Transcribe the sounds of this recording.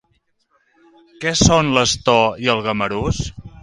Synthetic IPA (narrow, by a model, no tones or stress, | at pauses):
kɛsonləst̪ɔiəlˠɣəməɾus